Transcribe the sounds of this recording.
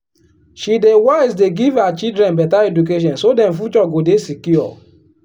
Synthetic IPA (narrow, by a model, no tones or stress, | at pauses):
ʃidewaɪsdeɡivhat͡ʃidɾɛ̃nbɛtaɛduk̬eʃ̬ɔ̃nsodɛ̃mfut͡ʃɔɡodesikjuɔ̰